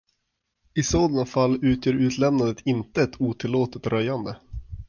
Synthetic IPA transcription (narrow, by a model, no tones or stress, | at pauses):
ɪsoːd̪ɑnafalːʉ̟ːt̪ʰjøːɾʉ̟ːt̪ʰlɛmnad̪ət̪ʰɪnt̪əɛt̪ʰuːt̪ʰɪlːoːt̪ət̪ɾœjand̪ə